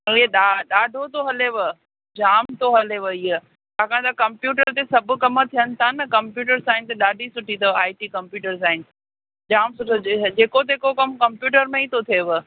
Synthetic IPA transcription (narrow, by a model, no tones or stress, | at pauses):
ɐ̃lieɗaɗaːɖʱot̪ʰoɦɐleʋə | d͡ʑaːmt̪oɦɐleʋɐie | t̪aːkʰãt̪ɐkɐ̃mpjuːʈəɾt̪esɐbʱʊ̆kɐmət̪ʰijənɪ̆t̪ʰanɐkɐmpjuːʈəɾsaːɪnt̪eɗaːɖʱisʊʈʰit̪ɐaːiʈiːkɐmpjuːʈəɾsaːɪn | d͡ʑaːmsʊʈʰd͡ʑeːkot̪̬ekokɐmkɐmpjuːʈəɾmẽit̪ʰot̪ʰieʋə